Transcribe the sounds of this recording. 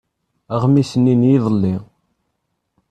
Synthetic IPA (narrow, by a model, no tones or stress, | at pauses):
əʁmisənːinjiðˤəlːi